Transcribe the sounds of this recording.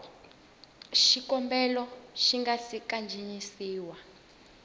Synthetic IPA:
ʃikɔmbɛlɔʃiŋɡasikand͡ʒʱiɲisiːwa

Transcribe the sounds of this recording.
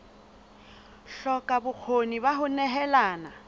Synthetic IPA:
ɬɔkʼabʊk͡xʰonibaɦʊnɛɦɛlaːna

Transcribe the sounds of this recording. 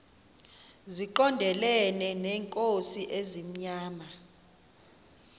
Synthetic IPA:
ziǃɔndʱɛlɛnɛnɛːŋkʼosiʔezim̩ɲaːma

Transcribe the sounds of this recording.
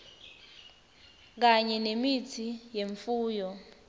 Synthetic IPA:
k̬aɲɛnemitʰijeɱfuːjɔ

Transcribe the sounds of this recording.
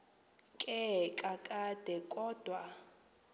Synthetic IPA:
kʼɛkʼakʼad̥ʱɛkʼɔːd̥ʱwa

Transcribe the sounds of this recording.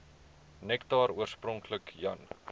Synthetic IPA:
nɛktɑːɾuərsprɔŋkləkjɐ̰n

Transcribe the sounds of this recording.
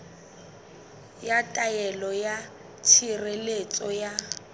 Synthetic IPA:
jatʼajɛlɔja | t͡ʃʰirelet͡sʼɔja

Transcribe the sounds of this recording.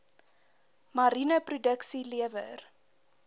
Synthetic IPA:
mɐɾinəprudəksiliəvə̰r

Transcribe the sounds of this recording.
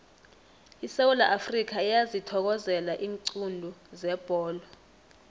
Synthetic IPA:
isewulaʔafrik̬ʰaijazitʰɔk̬ɔzɛlaʔiːŋǀundʱuzɛb̥ʱɔːlɔ

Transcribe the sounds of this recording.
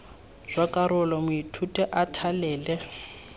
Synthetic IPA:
z̥wakʼaɾʊlɔmʊitʰutʼɛʔatʰalɛːlɛ

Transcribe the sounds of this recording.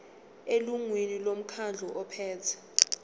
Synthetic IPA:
eluŋwenilom̩kʰand͡ɮʱɔʔɔpʰɛːtʰḁ

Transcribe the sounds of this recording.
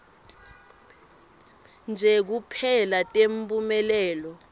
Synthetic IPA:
nd͡ʒʱɛk̬upʰɛlatʼempʼumɛlɛːlɔ

